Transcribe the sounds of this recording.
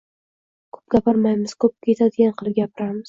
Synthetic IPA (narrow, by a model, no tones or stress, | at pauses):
kʰɵ̥p̚ɡʲapɪɾmajmɪz̥kʰɵp̚kʲʰe̞t̪ʰad̪ɪɡʲanqʰɨlˠp̚ɡʲapɪɾamɪz